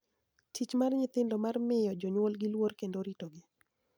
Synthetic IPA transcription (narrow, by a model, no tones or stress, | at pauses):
tʰit͡ʃmarɲɪt̪ɪndɔmarmɪjɔd͡ʒoɲwolɡɪlworkendoɾitoɡɪ